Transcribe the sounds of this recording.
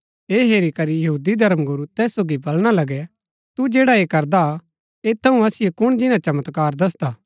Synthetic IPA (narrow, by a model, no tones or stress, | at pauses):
eːɦeːɾikɐɾijɐɦuːd̪id̪ʱɐɾəmɡʊɾut̪ɛːsːoːɡibɐlɽ̃alɐɡɛ | t̪ud͡ʒeːɽaeːkɐɾd̪a | eːt̪ʰːɐũɐsɪjekʊɽ̃d͡ʒɪnãt͡ʃɐmət̪kaːɾd̪ɐs̬d̪aː